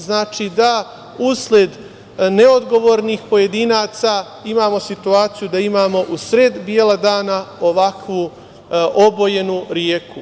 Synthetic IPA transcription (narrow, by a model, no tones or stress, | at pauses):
znaːt͡ʃid̪a | uslʲjed̪ | neo̞d̪ɡo̞ʋo̞ːɾniːxpo̞je̞d̪iːnaːt̪sa | imaːmo̞sit̪uaːt̪sijud̪aimaːmo̞ʔusɾed̪bjelad̪aːnao̞ʋakʋu | ʔobo̞jenuɾjeːku